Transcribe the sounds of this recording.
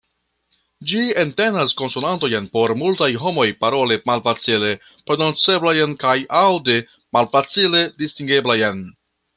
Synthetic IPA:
d͡ʒiente̞nasko̞nsunanto̞jenpo̞ɾmultajɦo̞mo̞jpaɾo̞lemalfat͡sile̞ | pɾe̞no̞nt͡se̞blajnkajʔawde | malfat͡sile̞distiŋɡe̞blajen

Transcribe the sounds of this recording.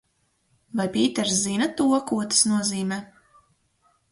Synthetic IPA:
vajpʲiːt̪ɛɾszinɐt̪uɔkuɔt̪ḁsnuɔziːmɛː

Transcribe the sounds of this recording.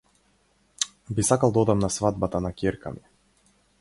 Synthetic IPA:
bisakalˠd̪aɔd̪amnasvad̪̚bat̪anakʲeɾka̰mi

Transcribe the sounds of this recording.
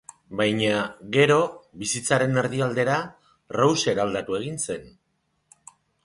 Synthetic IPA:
bajɲaɣe̞ɾo̞βisit͡saɾe̞neɾðiald̪e̞ɾa | rawse̞ɾald̪at̪ue̞ɣ̞inse̞n

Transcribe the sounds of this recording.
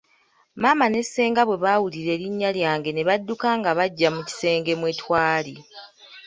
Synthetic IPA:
maːmane̞sːe̞ːŋɡaβwe̞βaːwuliɾe̞ːɾiɲːaljaːŋɡe̞ne̞βadːukaːŋɡaβaɟːamuci̥se̞ːŋɡe̞mwe̞twaːli

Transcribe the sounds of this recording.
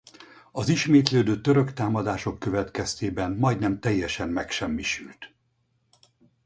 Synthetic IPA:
ɒziʃmeːt̪løːd̪øːt̪ø̞ɾø̞kt̪aːmɒd̪aːʃo̞kːø̞vɛt̪kɛst̪eːbɛnmɒjd̪nɛmt̪ɛjːɛʃɛnmɛkʃɛmːiʃylt̪

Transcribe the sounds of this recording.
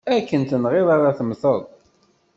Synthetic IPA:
ækːənt̪ənʁɪðˤaɾaθəmθəðˤ

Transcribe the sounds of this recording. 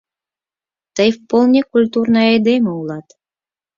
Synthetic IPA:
t̪əjfpolˠnʲekulʲt̪urnəjɑjd̪emʲɤulˠɑt̪

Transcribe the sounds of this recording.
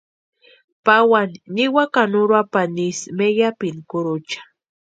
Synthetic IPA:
pawanːiwakanʊɾapanismejapinkʊɾʊt͡ʃḁ

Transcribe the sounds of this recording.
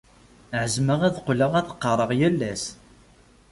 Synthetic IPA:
ʕəzməʁæðqːləʁæθə̥qːɑrˤəʁjælːæs

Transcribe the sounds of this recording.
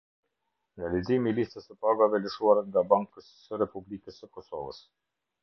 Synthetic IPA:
nalizimilist̪əsəpaɡavɛləʃuaɾaŋɡabaŋkəsːəɾɛpublikəsəkɔsɔ̰və̰s

